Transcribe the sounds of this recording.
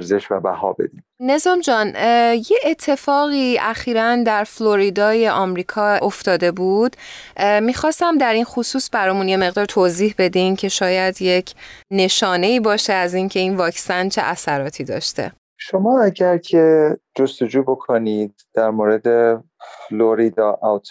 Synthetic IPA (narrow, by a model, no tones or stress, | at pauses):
ɾzeʃvæ̰bæ̰hɒ̰ːbḛd̪imne̞zɒːmd͡ʒɒːnjeʔːt̪ʰːe̞fɒːɣiːʔæxiːɾænd̪æɾflo̞ɾid̪ɒːjeʔɒmɾiːkʰɒːoft̪ɒːd̪e̞bud̪̥mixɒːst̪æmd̪æɾinχosuːsbæɾɒːjmunje̞me̞ɣd̪ɒːɾt̪ʰoːziːhbe̞d̪imcʰe̞ʃɒːjæd̪je̞cʰne̞ʃɒːne̞iːbɒːʃeæziːncʰe̞iːnvɒːcsænt͡ʃʰe̞̰ʔæsæɾɒːt̪ʰiːd̪ɒ̰ːʃt̪ḛ | ʃomɒːæɟæɾcʰed͡ʒost̪ed͡ʒuːbo̞kʰoniːd̪̥̚ːæɾmoɾe̞d̪e | floɾid̪ɒːʔawt̪ʰ